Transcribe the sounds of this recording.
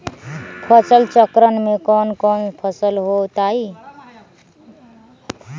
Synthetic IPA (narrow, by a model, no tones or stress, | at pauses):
pʰʌsəlt͡ʃʌkɾənmekʌnkʌmpʰʌsəlɦot̪ai